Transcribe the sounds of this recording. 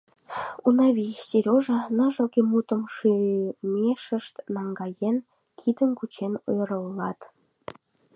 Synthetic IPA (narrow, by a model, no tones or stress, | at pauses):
unɑβʲisʲeɾʲoʒənəʒə̆lkemut̪əmʃymeʃəʃt̪nɑŋɡɑjen | kʰid̪ənkut͡ɕenøjɾəllɑt̪